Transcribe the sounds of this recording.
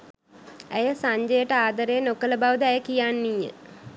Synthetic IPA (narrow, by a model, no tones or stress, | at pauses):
æjəsaɲd͡ʒəjəʈəaːd̪əɾeːnokələbaʋd̪ɛjəkijanːijə̰